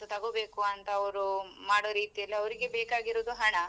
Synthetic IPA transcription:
ut̪ɐɡoːbe̞ːkuɐnt̪ɐːʋɾumaːɽoːɾiːt̪ijɐlːiɐʋɐɾiɡebeːkaːɡiɾoːd̪uɦɐɳɐ

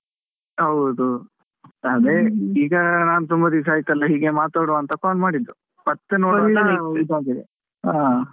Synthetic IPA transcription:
ɦɐwd̪u | aːd̪eiːɡɐnaːnut̪umbɐd̪isaːjit̪ːɐlːɐɦiːɡemaːt̪aːɽuɐnt̪ɐkaːnmaːɽid̪ːu | pɐt̪ːenoɐid̪aːɡid̪e | aː

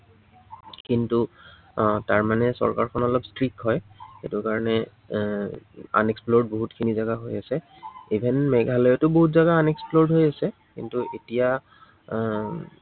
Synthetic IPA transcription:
kintu | taɹmanɛsɔ̰ɹkaɹkʰɔnɔlɔpstɹikɦɔjxḛtʊkaɹɔnɛ | a̰neksploɹdboɦutkʰinizaɡaɦojasɛ | ibʱenmɛɡʱalɔjɔtʊboɦutzaɡaːneksploɹdɦojasɛkḭntuʔetija

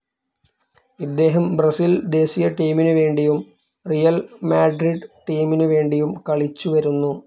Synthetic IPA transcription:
id̪ːe̞ːɦɐmbrɐsild̪e̞ːsijɐʈiːminɨʋe̞ːɳɖijum | rijɐlmaːɖriɖʈiːminɨʋe̞ːɳɖijumkɐɭit͡ɕːuʋɐɾunːu

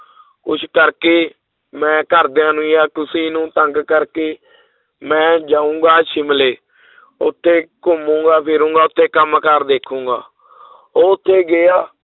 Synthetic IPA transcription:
kʊt͡ʃʰkəɾkeː | mɛ̃ːkəɾd̪jãːnũːjaːk̪ʊsiːnũːt̪əŋɡkəɾkeː | mɛ̃ːd͡ʒaːũːŋɡaːʃɪmleː | ʊ̰t̪ʰːeːkʊmũːɡaːpʰɪɾũːŋɡaːʊt̪ʰːeːkəmkəɾd̪eːkʰːũːŋɡa̰ː | oːʊt̪ʰːeːɡɪaː

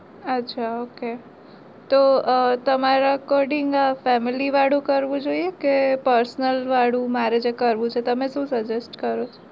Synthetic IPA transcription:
ətːʃʰaoke | t̪ot̪əmaɾakoɾɖiŋɡafɛmiliʋaɽũkəɾʋũd͡ʒoiekepəɾsnəlʋaɽũmaɾed͡ʒekəɾʋũt͡ʃʰet̪əmeʃũsəd͡ʒesʈkəɾot͡ʃʰo̥

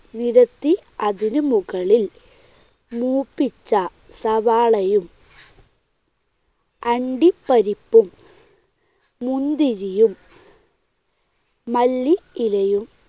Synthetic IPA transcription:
niɾɐt̪ːiɐðinumuɣɐɭil | muːpːit͡ɕːɐ | sɐʋaːɭɐjum | ɐɳɖipːɐɾipːum | und̪iɾijum | ɐlːiilɐjum

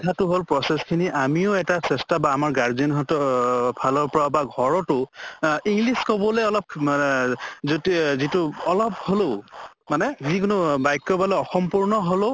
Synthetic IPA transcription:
tʰatʊɦolpɹɔseskʰiniʔamiʊɛtasɛstabaːmaɹɡaɹdinɦɔtɔpʰalɔɹpɔɹabaɡʱɔɹɔtʊ | iŋɡliskɔbɔleɔlɔp̚ | zotizitʊɔlɔp̚holo | manɛzikʊnʊbajkːɔbalɔɔxɔmpuɹnɔɦolo

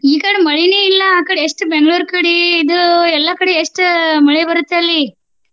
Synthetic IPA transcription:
iːkɐɽemɐɭineilːɐaːkɐɽeeʂʈbeŋɡɭuːɾkɐɽiid̪uɛlːɐkɐɽeeʂʈmɐɭebɐɾut̪ːeɐlːi

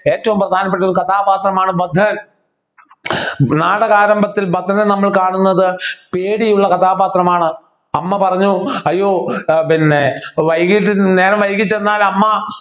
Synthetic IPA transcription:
e̞ːtːɐʋumprɐd̪ʱaːnɐpːe̞ʈ̬ːuɾukɐt̪ʰaːbaːt̪rɐmaːɳɨbɐd̪ʱːɐɐ | naːɽɐɣaːɾɐmbʱɐt̪ːilbɐd̪ʱɐnenɐmːɐɭkaːɳunːɐðɨpeːɽijuɭːɐkɐt̪ʰaːbaːt̪rɐmaːɳɨ | ɐmːɐpɐrɐɲːuɐjːo̞ːinːeʋɐjɣiʈːneːnɐʋɐjɣit͡ɕːenːaːlɐmːɐ

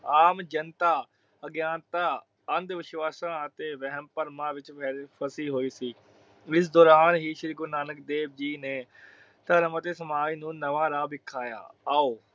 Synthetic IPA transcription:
aːmd͡ʒənt̪aː | əɡjãːnt̪aː | ənd̪ʋɪʃʋaːsãːət̪eːʋɛɦəmpəɾmãːʋɪt͡ʃpʰəsiːɦoːiːsiː | ɪs̬d̪ɔːɾaːnɦiːʃɾiːɡʊnaːnək̚d̪eːb̚d͡ʒiːneː | t̪aːɾəmət̪eːsəmaːd͡ʒnũːnəʋãːɾaːbɪkʰːaːja̰ːaːoː

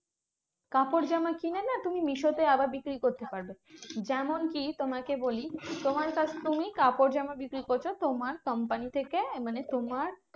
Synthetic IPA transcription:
kapoɾd͡ʑɛmakinenat̪umimiʃot̪eabaɾbikɾikoɾt̪epaɾbed͡ʑɛmonkit̪omakebolit̪omaɾkat͡ɕʰt̪umikapoɾd͡ʑɛmabikɾikoɾt͡ɕʰot̪omaɾkʌmpanit̪ʰekemanet̪omaɾ

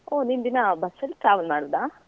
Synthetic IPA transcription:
oːnind̪inɐbɐsːɐlːiʈɾaːʋɐlmaːɽuʋd̪aː

